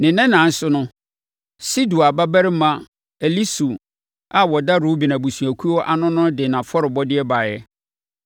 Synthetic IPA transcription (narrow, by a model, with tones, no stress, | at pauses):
nɪ̃˨nɛ̃˦nã˨n̩˦sʊ˦nʊ̃˦ | si˦du˨a˨ba˦bæ˦ɾɪ˦mã˦ | ɛ˨li˦su˨ | a˦wɔ˨da˦ɾu˦bi˨nã˨bu˨su˨æ˨kʰu˦ɔ˦ʔa˨nʊ̃˦nʊ̃˦dɪ˨nã˨fɔ˦ɾɪ˨bɔ˦dɪ˦ɛ˦baː˨jɛ̰˦